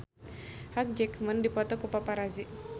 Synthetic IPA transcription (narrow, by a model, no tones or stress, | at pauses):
hak̚d͡ʒɛkməndipɔt̪ɔkupapaɾazi